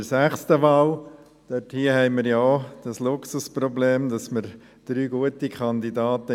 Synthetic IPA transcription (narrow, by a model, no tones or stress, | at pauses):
əsæχstəʋɑːl | d̥øthiəhɛɪməɾjad̥ɑslʊksuspɾɔbleːmdɑsməɾ | d̥ɾyːɡuətikʰɑnd̪idɑːtə